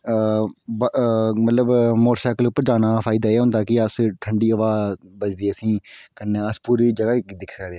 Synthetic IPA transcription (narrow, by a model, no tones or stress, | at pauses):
bmət̪ləbmoːʈsaːkəlʊpːəɾd͡ʒaːnaːfʰaːɪd̪aːeːɦʊ̃nd̪aːkɪəsʈʰəɳɖiːəʋaːbəd͡ʒd̪iːəsĩːkənːeəspuːɾiːd͡ʒəɡaːkːd̪ɪkʰsəkʰd̪eãː